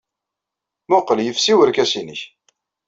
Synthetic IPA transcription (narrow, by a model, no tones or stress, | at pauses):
mʊqːəljəfsiwəɾkæsiniç